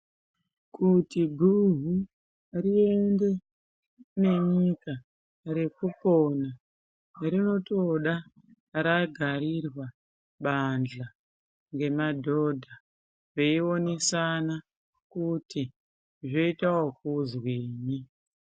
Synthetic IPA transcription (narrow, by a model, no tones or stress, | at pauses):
kʰutiɡʱuɦu | rie̞nde̞ | ne̞ɲika | ɾe̞kupona | rino̞to̞ɗa | ɾaɡʱaɾirwa | ɓand͡ɮa | ŋɡe̞madʱo̞dʱa | ʋe̞io̞nesana | kuti | ʐo̞itawok̚uzwiːɲi